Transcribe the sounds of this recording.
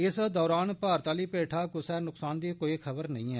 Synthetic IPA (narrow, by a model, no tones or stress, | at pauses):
ɪsd̪ɔːɾaːnpaːɾt̪aːliːpeːʈʰaːkʊsɛːnʊksaːnd̪iːkoːiːkʰəbəɾnɐ̰ɦĩːɛː